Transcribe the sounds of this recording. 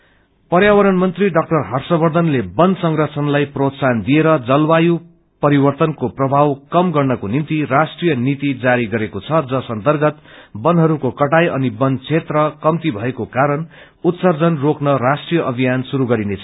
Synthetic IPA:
pʌrjawʌɾʌnmʌnt̪riɖʌk̚ʈʌrɦʌrsʌbʌrd̪ʱʌnlebʌnd̪sʌŋrʌt͡sʰʌnlajprot̪sand̪ieɾʌd͡zʌlwaju | pʌɾibʌrt̪ʌnkoprʌbʱawkʌmɡʌrnʌkonint̪irasʈrijʌnit̪id͡zaɾiɡʌɾekot͡sʰʌd͡zʌsʌnt̪ʌrɡʌt̪bʌnɦʌɾukokʌʈajʌnibʌnd̪t͡sʰet̪rʌkʌmt̪ibʱʌekokaɾʌn | ut̪sʌrd͡zʌnroknʌɾasʈrijʌʔʌbʱijansuɾuɡʌɾinet͡sʰʌ

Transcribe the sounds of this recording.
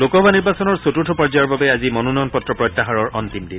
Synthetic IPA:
lokɔbaniɹbasɔnɔɹsotutʰɔpɔɹzajɔɹbabɛazimɔnunɔjɔnpɔtːɹɔpɹɔjtːaɦaɹɔɹɔnt̪imdin

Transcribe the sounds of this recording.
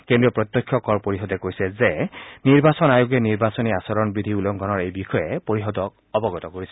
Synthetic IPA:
kendɹiɔpɹɔt̪ːɔkʰːjɔkɔɹpoɹiɦɔdɛkojsɛzeniɹbasɔnajuɡɛniɹbasɔniasɔɹɔnbɹid̪ʱiulɔŋɡʱɔnɔɹejbixɔjɛpoɹiɦɔd̪ɔk̚ɔbɔɡɔt̪ɔkoɹisɛ̥

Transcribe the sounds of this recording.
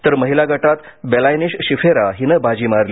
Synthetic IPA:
t̪əɾməɦilaɡəʈat̪belajniɕɕifeɾaɦinəbʱad͡ʑiːmaɾli

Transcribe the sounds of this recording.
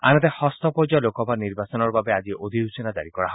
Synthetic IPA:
a̰nɔt̪ehɔst̪ɔpod͡ʒɔlokɔbʱaniɾbasɔnɔɾɔbabead͡ʒiʔod̪ʱiɦusɔnad͡ʒa̰ɾikɔɽaɦɔ

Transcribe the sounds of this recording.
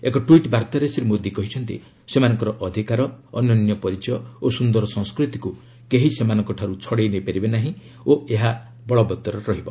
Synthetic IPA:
ekɔʈuiʈbaɾt̪aɾesiɾemod̪ikɔɦit͡ʃʰɔnt̪ḭ | semanɔŋkɔɾɔʔɔd̪ʱikaɾɔːnjɔnnjɔpɔɾit͡ʃɔjɔosund̪ɔɾɔsɔ̃ŋskɾut̪i̥ku | keɦisemanɔ̃ŋkɔʈʰaɾut͡ʃʰɔɽejnejpaɾibenaɦĩ | oeɦa | bɔɭɔbɔt̪ɔɾɔɾɔɦibɔ

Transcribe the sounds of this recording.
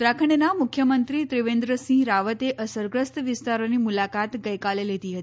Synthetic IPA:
d̪ɾakʰəɳ̃namʊkʰjəmənt̪ɾit̪ɾɪʋẽnd̪ɾəsĩɾaʋət̪eʔəsəɾɡɾəst̪ʋɪst̪aɾonimulakat̪ɡəjkalelet̪iɦət̪ii

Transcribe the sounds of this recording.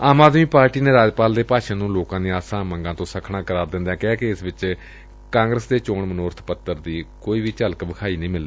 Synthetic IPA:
aːmaːd̪miːpaːɾʈiːneːɾaːd͡ʒpaːld̪eːpaːʃãːnũːloːkãːd̪eːaːsãːməŋɡãːt̪õːsəkʰɳaːkəɾaːɾd̪ɪ̃nd̪ɛ̃ːkɛːkeɪsʋɪt͡ʃ | kãːŋɡɾəsd̪eːt͡ʃoːɳmənoːɾt̪ʰpət̪ːəɾd̪iːkoːiːʋiːt͡ʃəlkbəkʰaːiːnəĩːmɪld̪iː

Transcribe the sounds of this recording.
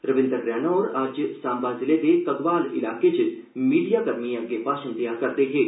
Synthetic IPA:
ɾəʋɪ̃nd̪ɾəɡɾɛːnaɔːɾaːd͡ʒsaːmbazɪlet̪ekɐɡʋaːlɪ̰laːket͡ʃ | miːɖijaɡɐɾmiɐɡepaːʃənd̪ijakɐɾt̪eɦɛ̃ː

